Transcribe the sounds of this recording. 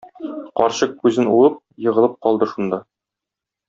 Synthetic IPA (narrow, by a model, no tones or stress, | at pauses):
qɒɾɕɤq̚kʉzɘnulˠɤp̚jɤ̆ʁɤ̆lˠɤp̚qɒlˠd̪ɤʃund̪ɑ